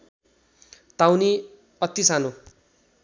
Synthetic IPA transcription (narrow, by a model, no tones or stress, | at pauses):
t̪awni | ʌt̪ːisano